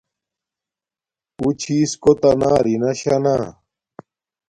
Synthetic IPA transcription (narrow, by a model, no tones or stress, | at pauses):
ut͡ɕʰiːskot̪ɐnaːɾinɐɕanaː